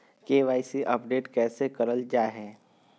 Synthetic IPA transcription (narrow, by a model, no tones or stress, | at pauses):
keːʋaːɪsiʔəpɖeːʈkɛːsekɐɾəld͡ʒaːɦɛː